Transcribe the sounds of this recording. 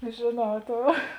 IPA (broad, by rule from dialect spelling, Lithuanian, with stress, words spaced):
ʒʲeːˈnɐʊ ˈtoːʊ